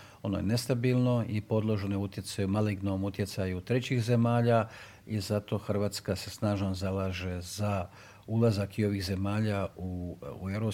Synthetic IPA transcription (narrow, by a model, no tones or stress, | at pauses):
o̞no̰jene̞st̪abiːlˠno̞ipo̞d̪lˠo̞ʒnojeut̪je̞t̪sajumaliɡno̞mut̪je̞t̪sajut̪ɾe̞t͡ɕixze̞maːʎa | izat̪o̞xr̩ʋaːt̪skase̞snaːʒnozalaːʒe̞za | ulˠazakio̞ʋiːxze̞maːʎaue̞ɾo